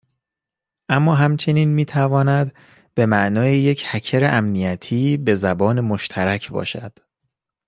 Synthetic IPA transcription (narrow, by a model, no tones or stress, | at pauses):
ʔæmːɒːɦæmt͡ʃʰe̞niːnmiːt̪ʰævɒːnæd̪ | b̥e̞mæʔnɒːjejecʰhæcʰeɾeʔæmnijæt̪ʰiːbe̞zæbɒːne̞mo̞ʃt̪ʰæɾæcʰbɒ̰ːʃæ̰d̪̥